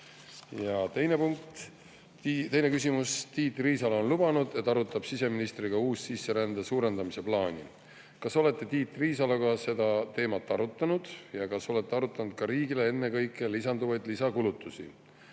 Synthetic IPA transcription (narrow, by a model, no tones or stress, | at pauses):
jɑt̪ejnepuŋk̚t̪ | t̪e̞jne̞kys̬imust̪iːt̪ːˑriːsɑlo̞nlub̥ɑnud̪̥e̞t̪ːˑɑɾut̪ːˑɑb̥sise̞minist̪riɡ̥ɑuːssisːe̞ɾænd̪̥esuːɾe̞nd̪̥ɑmise̞plɑːnʲḭ | kɑso̞le̞t̪ˑːe̞t̪iːt̪ːˑriːsɑlɑkɑse̞d̪ɑt̪e̞ːmɑt̪ːˑɑɾut̪ːˑɑnud̪̥jɑkɑso̞le̞t̪ːˑeɑɾut̪ːˑɑnud̪̥kɑɾiːɡilee̞nːe̞kɤjkːˑe̞lisɑnd̪uvɑjd̪lisɑkulut̪ːˑusḭ